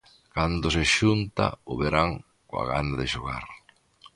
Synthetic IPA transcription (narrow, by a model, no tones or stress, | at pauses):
kand̪ʊseʃunt̪a̰ʊβeɾaŋ | koa̰ɣand̪aðɪʃoɣa̰ɾ